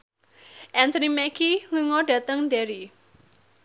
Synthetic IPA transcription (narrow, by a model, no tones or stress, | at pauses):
ʔɛnt̪ɔnimɛkiluŋɔɖä̤t̪əŋd̪eɾi